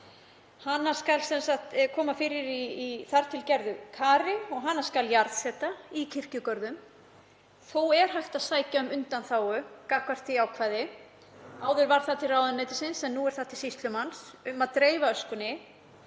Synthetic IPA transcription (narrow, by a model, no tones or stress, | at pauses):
hanːḁskalsɛnsaxt̪kʰɔːmafɪːɾɪɾiiθaɾ̥t̪ʰɪlcɛɾðʏkʰaːɾɪɔɣɦanːḁskaljaɾðsɛht̪aicʰɪr̥cʏkœɾðʏm | θowɛɾ̥ɦajl̥t̪aðsaːjcaʏmʏnt̪anθaːwʏkahkvar̥t̪ʰiaːwkʰvaːjðɪ | aːwðʏɾvaɾ̥θat̪ʰɪraːwðʏneːjt̪ɪsɪnsɛnnuɛɾ̥θaht̪ʰɪ̥sist̪lʏmansʏmaðt̪ɾeːjvaœskʏnɪ